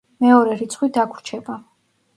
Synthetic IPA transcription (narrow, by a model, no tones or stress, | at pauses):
mɛɔɾɛɾit̪sʰχwid̪akʰɾt͡ʃʰɛba